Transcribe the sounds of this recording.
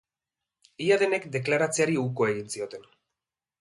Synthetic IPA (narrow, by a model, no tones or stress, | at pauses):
iaðe̞ne̞kd̪e̞klaɾat͡seaɾiuko̞e̞ɣinsio̞t̪e̞n